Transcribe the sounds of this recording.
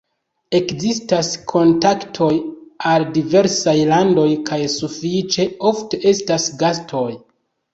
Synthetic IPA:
e̞kzistaskʰo̞ntaktʰo̞jaldive̞ɾsajlando̞jkajsufit͡ʃe̞o̞fte̞ʔe̞stasɡastʰo̞j

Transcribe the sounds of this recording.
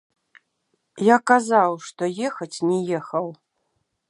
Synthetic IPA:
jakazawʂt̪ɔjɛxɐt͡sʲnʲɛjɛxɐw

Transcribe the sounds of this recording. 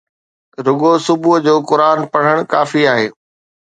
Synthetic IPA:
ɾʊɠosʊbʱud͡ʑoːkʊɾaːnpɐɽ̤əɽ̃kaːfiaːɦeː

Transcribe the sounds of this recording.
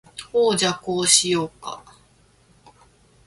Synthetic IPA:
hoːd͡ʑakoːɕijoːka̰

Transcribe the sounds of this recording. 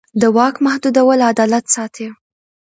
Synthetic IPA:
d̪əwɑkmahd̪ud̪awəlad̪ɑlat̪sɑt̪ʰe

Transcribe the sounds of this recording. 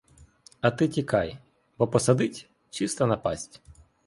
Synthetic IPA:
ɐt̪ɪtʲikɑj | bɔpɔsɐd̪ɪtʲ | t͡ʃist̪ɐnɐpɑ̰sʲtʲ

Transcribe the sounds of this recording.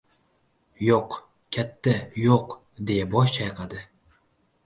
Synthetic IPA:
joq | kʲʰat̪ʰːajoq | d̪e̞jabɒʃt͡ʃʰajqʰad̪ɪ

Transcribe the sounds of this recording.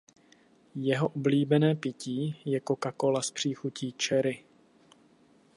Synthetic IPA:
jɛɦoʔubliːbɛnɛːpɪciːjɛkokako̞laspr̝̥iːxuciːt͡ʃɛɾɪ

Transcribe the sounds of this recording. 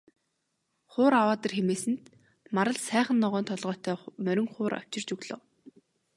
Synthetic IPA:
χʊːɾawaːt̪ə̆rxemeːsɘ̆nt̪ | maɾə̆ɮsæːχə̆nːɔʁœːnt̪ʰɔɮʁœːt̪ʰœːmœɾʲɪ̆ŋχʊːɾʔa̰w̥t͡ɕɪ̆r̥t͡ɕɵɣɮŏ̰ːw

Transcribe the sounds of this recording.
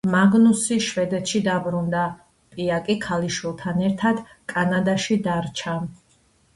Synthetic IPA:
maɡnusiʃvɛd̪ɛt̪ʃid̪abɾund̪a | pʼiakʼikʰaliʃwilˠt̪ʰanɛɾt̪ʰad̪ | kʼanad̪aʃid̪aɾt͡ʃʰa

